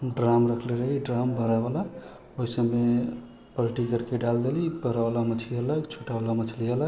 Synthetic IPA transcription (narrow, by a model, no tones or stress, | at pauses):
ɖɾamɾəkʰleɾəɦiɖɾambəɾabala | oɦisəmːe | pəlʈikəɾkeɖald̪elibəɾabalamət͡ʃʰliələkt͡ʃʰoʈabalamət͡ʃʰliələk